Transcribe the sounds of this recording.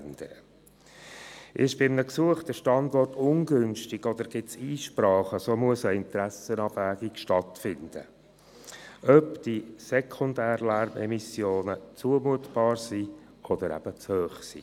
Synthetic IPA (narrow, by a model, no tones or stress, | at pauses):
nd̥əɾə | ʔɪʃb̥ɪmnəksuəχtəʃtɑndɔrtʰʊnɡʏnʃtɪɡɔd̪əɾɡ̥ɪtsiːʃpɾɑːχəsoːmuəsəɪnt̪ɾæsənɑbvæːɡikʃtɑtfɪnd̪̥ə̰ | ʔœpd̥isɛkʰʊndæːɾlæɾmɛ̰misjoːnət͡suəmuətb̥ɑːɾsi | ʔɔd̪əɾæ̰b̥ət͡shøːχsḭː